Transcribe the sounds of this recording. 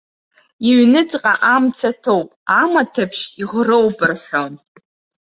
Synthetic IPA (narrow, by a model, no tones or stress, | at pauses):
iɥnɨt͡sʼqʼaʔamt͡sʰatʰowpʼamatʰapʰʃiʁrowbɨrħʷon